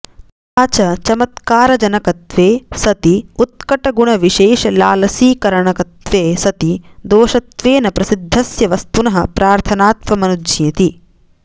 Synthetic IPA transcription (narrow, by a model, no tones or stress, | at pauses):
aːt͡ʃɐt͡ʃɐmɐt̪kaːɾɐd͡ʒɐnɐkɐt̪ʋeːsɐt̪iut̪̚kɐʈɐɡuɳɐʋiʃeːʃɐlaːlɐsiːkɐɾɐɳɐkɐt̪ʋeːsɐt̪id̪oːʃɐt̪ʋeːnɐpɾɐsid̪ʱːɐsjɐʋɐst̪unɐɦɐpɾaːɾt̪ʰɐnaːt̪ʋɐmɐnud͡ʒd͡ʒjɐt̪i